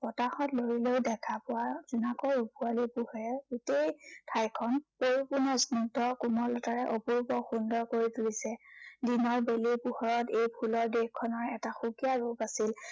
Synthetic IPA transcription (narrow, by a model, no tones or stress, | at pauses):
pɔtaxɔtloɹileʊdɛkʰapʊwaz̥unakɔɹupualipuhɔɹɛɡutejtʰajkʰɔnpoɹipunasnɔŋtɔkumɔlɔtaɹɛʔɔpuɹbɔxundɔɹkoɹituɹisɛdinɔɹbelipuxɔɹɔtejpʰulɔɹdexkʰːɔnɔɹɛtaxukijaɹupasil